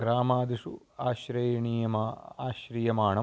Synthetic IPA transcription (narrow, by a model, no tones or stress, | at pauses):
ɡɾaːmaːd̪iʂu | aːɕɾɐjɐɳiːjɐmɐaːɕɾijɐmaːɳɐ